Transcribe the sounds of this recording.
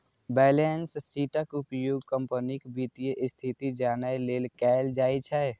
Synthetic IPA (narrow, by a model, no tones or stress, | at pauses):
bɛːlenssiːʈəkupjoɡkəmpənikbit̪ijəʔɪst̪ʰit̪id͡ʒaːnajleːlkɛɪld͡ʒaːit͡ʃʰɛ